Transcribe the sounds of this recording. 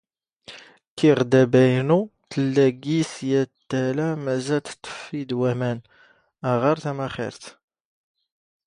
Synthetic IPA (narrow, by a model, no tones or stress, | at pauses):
kiʁd̪æbæjnut̪əlːæɡisjæt̪ːælæmæzælt̪t̪ˤːə̥fid̪wæmæn | æʁɑɾt̪æmæχɪ̰ɾθ